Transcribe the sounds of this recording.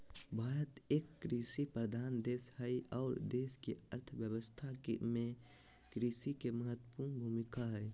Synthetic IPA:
bʱaːɾət̪eːkːɾisipɾəd̪ʱaːnd̪eːshəiɔːɾd̪eːskiə̰ɾt̪ʰʋjəwəst̪ʰakmẽ | kɾisikeməɦət̪ːəpuːnbʱumɪkaɦɛː

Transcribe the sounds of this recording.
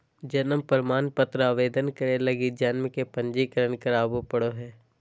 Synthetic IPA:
d͡ʒɐnəmpəɾmaːnpət̪ɾəaːʋeːd̪ənkəɾelɐɡid͡ʒanmkepɐ̃ɲd͡ʒikəɾənkəɾaːbupɐɽoɦɛː

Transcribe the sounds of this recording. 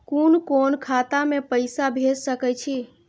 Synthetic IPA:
kunkonkʰat̪amepəɪsabʱessəkɛt͡ʃʰi

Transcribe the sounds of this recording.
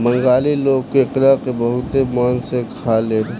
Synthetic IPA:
mə̃ŋɡaːliloːɡ̚keɪkɾaːkebəɦʊt̪emɔːnsekʰaleː

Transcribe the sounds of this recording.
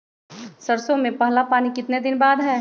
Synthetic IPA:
sɐɾsõmẽpɐɦlapaːnikɪt̪ned̪ɪnbaːd̪ɦɛː

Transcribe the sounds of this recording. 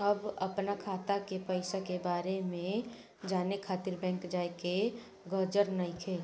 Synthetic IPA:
əbɐpnakʰaːt̪akepəɪsakebaːɾemẽ | d͡ʒaːnekʰaːt̪iɾbɛ̃ːŋkd͡ʒaːeke | ɡɔd͡ʒəɾnəikʰeː

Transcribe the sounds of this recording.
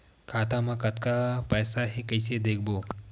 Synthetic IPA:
kʰaːt̪amãkɐt̪kapɛːsaɦekɐɪsed̪eːk̚ʰboː

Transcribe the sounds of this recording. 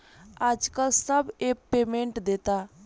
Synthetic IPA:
aːd͡ʒkəlsəbeːkpeːmẽɳʈd̪eːt̪aː

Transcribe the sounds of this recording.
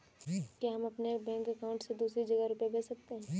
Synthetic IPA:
kjaɦɐmɐpnebɛ̃ːŋkɛkaːʊ̃ɳʈsed̪uːsɾid͡ʒɐɡəɾʊpjabɛːsɐk̚t̪eɦɛ̃ː

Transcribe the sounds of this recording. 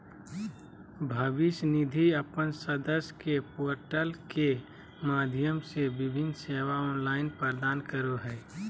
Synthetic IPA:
bʱəʋɪsnid̪ʱiəpənsəd̪əskepoːɾʈəlke | maːd̪ʱjəmsebɪbʱɪnseːʋaɔːnlaːɪnpəɾd̪aːnkəɾoɦɛː

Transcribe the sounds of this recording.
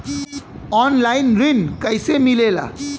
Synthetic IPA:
ɔnlajnrinkʌjsemilela̰

